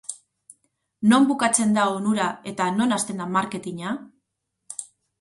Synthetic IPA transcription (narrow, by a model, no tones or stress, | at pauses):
no̞mbukat͡se̞nd̪aonuɾae̞t̪ano̞nast̪e̞nd̪amaɾke̞t̪iɲa